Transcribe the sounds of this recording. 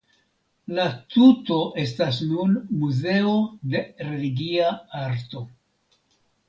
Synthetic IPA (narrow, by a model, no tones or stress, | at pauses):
latuto̞ʔe̞s̬tasnunmuze̞o̞de̞ɾe̞liɡiaaɾto̞